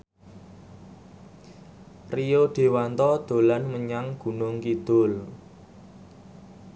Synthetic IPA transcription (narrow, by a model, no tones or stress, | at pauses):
rijoɖ̪̥e̤want̪ɔd̪̥o̤lanməɲaŋɡ̥ṳnʊŋkid̪̥ʊl